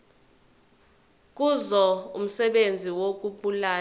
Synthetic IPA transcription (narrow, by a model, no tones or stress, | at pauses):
k̬ʼuzɔṵm̩sɛɓend͡zʱiwok̬ʼuɓulaː